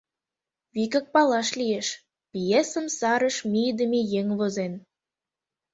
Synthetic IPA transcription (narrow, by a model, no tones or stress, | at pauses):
βikə̆k̚pɑlɑʃlieʃ | pijesə̆msɑɾə̆ʃmid̪əmejeŋβozen